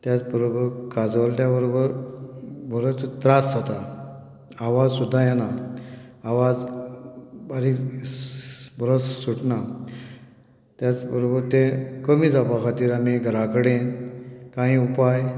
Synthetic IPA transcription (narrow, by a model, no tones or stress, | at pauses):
t̪jat͡sbəɾobəɾkad͡zlt̪jabəɾobəɾ | bʱəɾot͡st̪ɾasd͡zat̪a | aʋad͡zsud̪ʱːajana | aʋad͡z | baɾik | bʱəɾot͡ssuʈna | t̪jat͡sbəɾobəɾt̪ẽkəmiːd͡zapakʰat̪iːɾamiɡʱəɾakəɽenkãɦĩupaj